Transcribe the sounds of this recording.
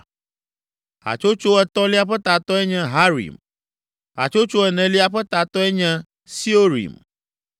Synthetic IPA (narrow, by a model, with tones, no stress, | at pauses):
a̰˨t͡ʃo˦t͡ʃo˦ɛ˨t̪ɔ̃˦li˦a˦˨ɸɛ˦t̪a˨t̪ɔ˦ɛ˦ɲɛ̃˦ɦa˦ɾḭ˨m | a̰˨t͡ʃo˦t͡ʃo˦ɛ˨nɛ̃˨li˦a˨ɸɛ˦t̪a˨t̪ɔ˦ɛ˦ɲɛ̃˦ | si˦o˦ɾḭ˨m